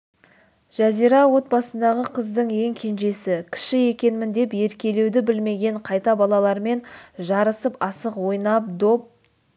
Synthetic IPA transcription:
ʒ̥æzijɾɑwo̞t̪̚bɑsənd̪ɑʁəqʰəzd̪əɴje̞ŋkʲʰe̞nʒe̞sɪkʲʰɪ̥ʃɪe̞kʲe̞nmɪnd̪e̞pje̞ɾkʲe̞le̞wd̪ɪbɪlme̞ɡʲe̞ɴqʰɑjt̪ɑbɑlˠɑlˠɑɾme̞nʒɑɾəsəpɑsəqwo̞jnɑp̚d̪o̞p̚

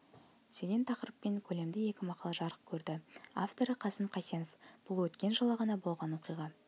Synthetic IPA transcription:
d̪̥e̞ɡʲe̞nt̪ʰɑqəɾəpːe̞ŋkʲʰɵle̞md̪ɪje̞kʲɪmɑqɑlˠɑʒɑɾəq̚kʲʰɵɾd̪ɪa̰ft̪o̞ɾəqʰɑsəmqʰɑjseno̞fb̥ʊlˠwɵt̪kʲe̞nʒəlˠɑʁɑnɑbo̞lˠʁɑnwo̞qijʁɑ

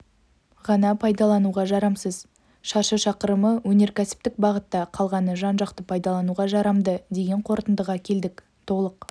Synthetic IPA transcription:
ʁɑnɑpʰɑjd̪ɑlˠɑnuʁɑʒɑɾɑmsəz | ʃɑɾʃəʃɑqəɾəməwɵne̞ɾkʲʰæsɪ̥p̚t̪ɪk̚bɑʁət̪ːɑqʰɑlˠʁɑnəʒɑnʒɑqt̪əpʰɑjd̪ɑlˠɑnuʁɑʒɑɾɑmd̪əd̪e̞ɡʲe̞ɴqʰo̞ɾt̪ənd̪əʁɑkʲʰe̞ld̪ɪk | t̪ʰo̞lˠəq

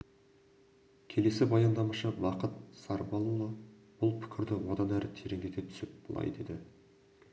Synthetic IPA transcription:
kʲʰe̞le̞sɪbɑjɑnd̪ɑmɑʃəbɑqət̪sɑɾbɑlˠulˠəb̥ʊlˠpʰʏ̥kʲʰɪɾd̪ɪwo̞d̪ɑnæɾɪt̪ʰeɾe̞ŋɡʲet̪et̪ʰʏ̥sɪp̚b̥əlˠɑ̰jd̪e̞d̪ɪ

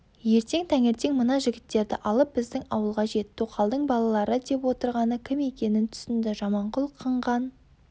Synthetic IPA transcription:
je̞ɾt̪e̞ŋt̪ʰæŋe̞ɾt̪e̞ŋmənɑʒɪɡʲɪt̪ːe̞ɾd̪ɪʔɑlˠəp̚bɪzd̪ɪŋɑwəlˠʁɑʒe̞t̪ːuqʰɑlˠd̪əɴbɑlˠɑlˠɑɾəd̪e̞pwo̞t̪əɾʁɑnəkʲʰɪme̞kʲe̞nɪnt̪ʰʏ̥sɪnd̪ɪʒɑmɑɴqʊlˠqʰəɴʁɑn

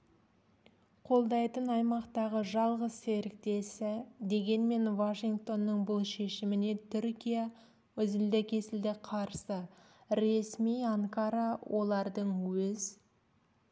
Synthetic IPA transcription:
qʰo̞lˠd̪ɑjt̪ənɑjmɑqt̪ɑʁəʒɑlˠʁəzːe̞ɾɪk̚t̪e̞sɪd̪e̞ɡʲe̞nme̞nvaʃiŋkt̪o̞nːəɴbʊlˠʃe̞ʃɪmɪne̞t̪ʰʏɾkʲija | wɵzɪld̪ɪkʲʰe̞sɪld̪ɪqʰɑɾsə | ɾe̞smijɑŋkaɾɑwʔo̞lˠɑɾd̪əɴwɵz

